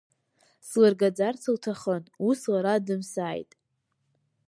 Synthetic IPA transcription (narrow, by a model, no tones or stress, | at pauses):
slarɡad͡zart͡sʰawtʰaχənuslaɾadɨmsaːjtʼ